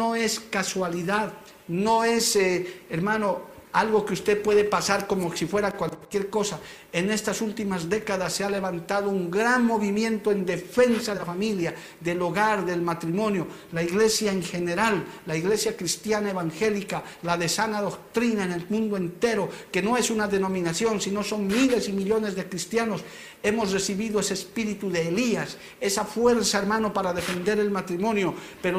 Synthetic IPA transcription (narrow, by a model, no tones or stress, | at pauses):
oeskaswaliðað | no̞e̞seeɾmano̞alɣo̞keust̪e̞ðpwe̞ðepasaɾko̞mosifwe̞ɾakwalkje̞ɾko̞sa | ene̞st̪asult̪imazðe̞kaðasːeale̞βant̪að̞ouŋɡɾanmo̞βimje̞nt̪oe̞nd̪e̞fe̞nsaelafamilja | ðe̞lo̞ɣaɾðe̞lmat̪ɾimõ̞njo̞ | laiɣle̞sjaeŋxe̞ne̞ɾalːaiɣle̞sjakɾist̪janaeβaŋxe̞lika | laðe̞sanaðo̞k̚t̪ɾinaene̞lmũnd̪oe̞nt̪e̞ɾoke̞no̞e̞sunaðeno̞mĩnasjo̞nsino̞so̞ŋmile̞simiʎo̞ne̞zðekɾist̪jano̞s | e̞mo̞sre̞siβiðoeseːspiɾit̪uðe̞ːlias | e̞safwe̞ɾsaeɾmano̞paɾaðe̞fe̞nd̪e̞ɾe̞lmat̪ɾimõ̞njopeɾo